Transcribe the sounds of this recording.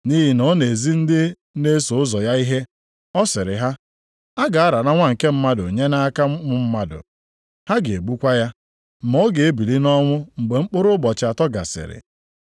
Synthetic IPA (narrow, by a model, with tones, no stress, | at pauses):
ni˦ɦi˨no˦ne˨zi˦n̩˦dɪ˦ | ne˦so˨ʊ˦zɔ˨ja˦i˦ɦe˦ | ɔ˦sɪ˨ɾɪ̰˨ɦa˦ | a˦ɡa˨a˦ɾa˨na˦ŋʷa˦ŋ̩˨ke˦m̩˦ma˦dʊ˨ɲe˦na˦ka˦mʊ˦m̩˦ma˦dʊ̰˨ | ha˦ɡe˨ɡ͡bu˦kʷa˦ja˦ | m̩˨mo˦ɡe˨e˦bi˨li˦nɔ˦ŋʷʊ˦ŋ͡m̩˨ɡ͡be˨ŋ͡m̩˦k͡pʊ˦ɾʊ˦bɔ˨t͡ʃa˨tɔ˦ɡa̰˨sɪ̰˨ɾɪ̰˨